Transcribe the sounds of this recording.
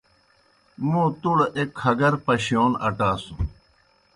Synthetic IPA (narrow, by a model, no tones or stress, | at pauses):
mũːt̪uɽekʰɐɡɐɾpɐɕijoːnɐʈaːsũ